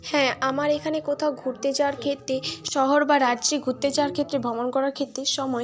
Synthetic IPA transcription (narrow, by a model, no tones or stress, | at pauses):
hɛ̃amaɾekʰanekot̪ʰaoɡʱoɾt̪ed͡ʑawaɾkʰet̪ːɾeʃɔɦoɾbaɾad͡ʑeɡʱuɾt̪ed͡ʑawaɾkʰet̪ːɾebʱɔmonkɔɾaɾkʰet̪ːɾeʃɔmɔe